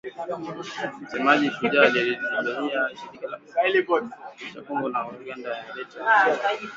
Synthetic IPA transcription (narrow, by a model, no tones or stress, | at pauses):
m̩sɛmaʄituʄaliiiŋɡaniaʃiɾikalaailibɔdt͡ʃakɔŋɡɔnauɡandajaalɛta